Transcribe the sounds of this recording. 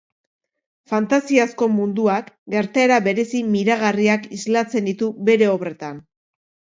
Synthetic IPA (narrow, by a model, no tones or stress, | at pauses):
fant̪asiasko̞mund̪uakɡe̞ɾt̪aeɾaβe̞ɾe̞simiɾaɣariakizlat͡se̞nd̪it̪uβe̞ɾe̞o̞βre̞t̪an